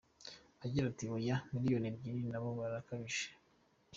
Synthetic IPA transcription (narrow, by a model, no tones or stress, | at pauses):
aɟiɾatiβojamilijo̞nebɟininaβoβaɾakaβiʃe̥